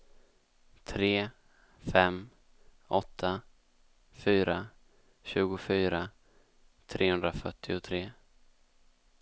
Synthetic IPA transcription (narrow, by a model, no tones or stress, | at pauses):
t̪ʰɾeː | fɛm | ʔɔt̪ʰːa | fyːɾa | ɕʉ̟ːɡʊfyːɾa | t̪ʰɾʔeːhɵnd̪ɾafœʈʰːɪʊt̪ʰɾeː